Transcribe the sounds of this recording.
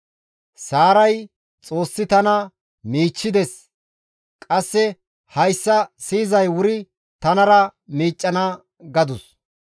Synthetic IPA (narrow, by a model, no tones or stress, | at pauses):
saːɾɐj | t͡sʼo̞ːsːɪt̪ɐnɐ | miːt͡ʃːɪd̪ɛs | kʼɐsːɛ | hɐjsːɐsiːzɐjwʊɾɪ | t̪ɐnɐɾɐmiːt͡ʃʼːɐnɐ | ɡɐd̪ʊs